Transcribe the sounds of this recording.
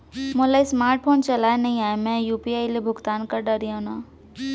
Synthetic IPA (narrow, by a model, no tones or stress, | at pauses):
mʊlaismaːɾʈ̚pʰoːnt͡ʃɐlaːenɐɦĩaːemɛ̃juːpiaːilebʱʊɡt̪aːnkɐɾɖɐɾijaʊnaː